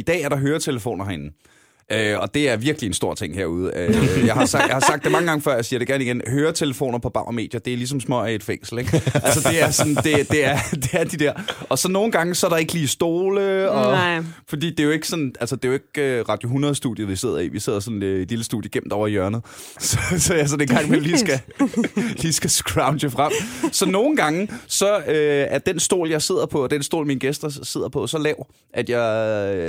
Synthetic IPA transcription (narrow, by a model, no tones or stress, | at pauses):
id̥ɛ̰ːæɐɾɑ̈ɦøːɐt͡sʰeləfo̝̰ːnɐhenn̩ | ʔøɒ̽d̥e̝æɐʋiɐɡ̥liensd̥o̝ɐ̰t͡sʰeŋ̰heɐ̰uð̞ˠəøjjɑ̈ɪhsɑɡ̥jɑ̈hɑ̈sɑ̈ɡ̥̚d̥emɑ̈ŋəɡ̥ɑ̈ŋəfɶɐ̰jasiːɐɾ̥eɡæɐniɡ̥enhøːɐt͡sʰeləfo̝̰ːnɐpʰɒ̽b̥ɑ̈ʊ̰me̝̰ːd̥jɐd̥e̝ælis̬ɒ̽msmɒæe̝d̥feŋ̰sl̩eɡ̥ælsəd̥e̝æɐsɒ̽nd̥e̝d̥e̝æɐd̥e̝æɐd̥id̥æɐ̰ɒ̽sɒ̽nːo̝ːn̩ɡ̥ɑ̈ŋəsɒæɾ̥ɑ̈e̝ɡ̥əliːsd̥o̝ːləɒ̽fɒd̥ḭːd̥e̝jo̝e̝ɡ̥ə̥sɒ̽nʔælsəd̥e̝jo̝e̝ɡ̥øʁɑ̈d̥joɦunʁɐðˠsd̥ṵðˠjɐʋise̝ð̞̰ˠɐḭʋise̝ð̞̰ˠɐsɒ̽nid̥liləsd̥ṵːðjəɡ̥em̰d̥ɒʊ̰ɐijɶɐnð̩ˠ | sɒsɒæs̬ɒnd̥eɡ̥ɑ̈ŋ̰meliːsɡ̥æ | liːsɡ̥æsɡ̥ʁɑ̈ʊndəfʁɑm̰sɒ̽no̝ːn̩ɡ̥ɑ̈ŋəsɒ̽øæɐd̥ensd̥o̝̰ːljɑ̈ɪse̝ð̞̰ˠɐpʰɒ̽ɒd̥ensd̥o̝̰ːlminəɡ̥esd̥ɐse̝ð̰ˠɐpʰɒ̽sɒlɛʊ | ʔæd̥jɑɪ